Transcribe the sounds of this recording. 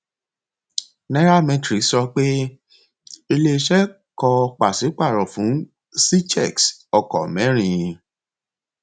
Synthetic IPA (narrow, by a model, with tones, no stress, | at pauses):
nɛ̃˦ɾa˦mɛ̃˨tɾi˨˦sɔ˧k͡pe˦ | i˧le˦˧ʃɛ˦ | kɔ˧k͡pa˨si˨˦k͡pa˦˨ɾɔ̃˨fũ˨˦ | si˦t͡ʃɛ˦˨ksɔ˧˨kɔ̰˨mɛ̃˨˦ɾ̃ĩ˧˨˧